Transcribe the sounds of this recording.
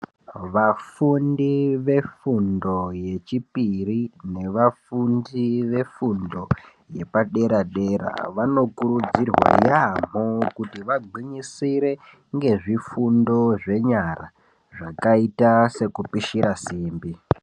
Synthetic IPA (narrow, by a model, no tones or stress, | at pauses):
ʋafundiʋe̞fundo̞je̞t͡ʃipirine̞ʋafundiʋe̞fundo̞ | je̞paɗe̞ɾaɗe̞ɾa̰ʋano̞kuɾud͡zirwa̰jam̤okutiʋaɡiɲisiɾe̞ | ŋɡe̞ʐifundo̞ʐe̞ɲaɾa | ʐakaitase̞kupiʃiɾasiːmbi